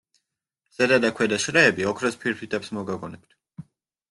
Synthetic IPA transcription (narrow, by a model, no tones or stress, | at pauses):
z̥ɛd̪ad̪akʰwɛd̪aʃɾɛɛbiɔkʰɾɔspʰiɾpʰit̪ʼɛpsmɔɡaɡɔnɛp̚t̪ʰ